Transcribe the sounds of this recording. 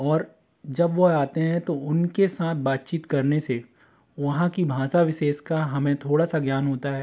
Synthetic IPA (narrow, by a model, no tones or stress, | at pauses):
ɔːɾ | d͡ʒɐbʋoaːt̪eɦɛ̃t̪oʊnkesaːt̪̚ʰbaːt̪̚t͡ʃiːt̪kɐɾnese | ʋɐɦãkibʱaːsaʋɪʃeːʃkaɦɐmẽt̪ʰoːɽasaɡjaːnɦoːt̪aɦɛː